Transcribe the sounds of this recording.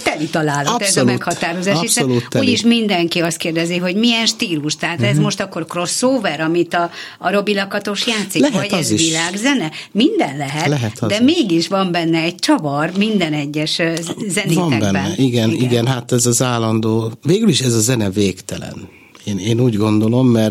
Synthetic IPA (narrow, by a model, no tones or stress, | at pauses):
t̪ɛlit̪ɒlaːlɔt̪ɛzɔlmuɛtkhɒt̪aːɾo̞zaːʃisoluuːɟiʃmind̪ɛŋkiɒst̪̚keːrd̪ɛziɦo̞ɟmijɛnʃt̪iːluʃt̪ɛɦaːt̪ɛzmoʃt̪ɒkːo̞rkro̞sːoːvɛɾɒmit̪ɒː | ɾo̞bilɒkɒt̪o̞ʃjaːt̪silɛɦɒɛziʃvilaːɡzɛnɛmind̪ɛnlɛɦɛt̪lɛɦɛzd̪ɛmeːɡiʃʋɒmbɛnːɛɛɟ̚t͡ʃɒvɒrmind̪ɛnɛɟːɛʃzɛnimɛb̪ɛnɛːɛiɡɛniɡɛnɦat̪ɛzɒzaːlːɒnd̪oːveːɡyliʃɛzɒzɛnɛveːkt̪ɛlɛ̰n | eːneːnuːɟɡo̞nd̪o̞lo̞mːɛrt